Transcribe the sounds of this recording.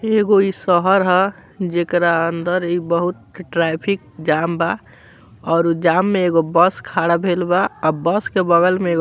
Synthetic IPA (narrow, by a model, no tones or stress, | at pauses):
eɡoisəɦəɾɦɛd͡ʒekɾaənd̪əɾibəɦut̪̚ʈɾapʰik̚d͡ʒamba | ɔːɾud͡ʒamːeeːɡobəskʰaɽabʱelbaɔbəskebəɡəlmeɡ